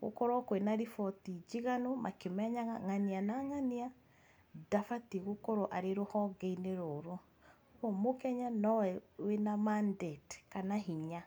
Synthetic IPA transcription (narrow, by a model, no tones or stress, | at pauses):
ɣo̰kɔɾɔkoenaɾifɔtid͡ʒiɣanomʔa̰kemɛɲaɣaŋanianaŋania | dafatiɣokɔɾoʔaɾeɾohɔɡɛineɾoɾo | ɣwɔmokɛɲanɔwɛwenamandetkanaɦiɲa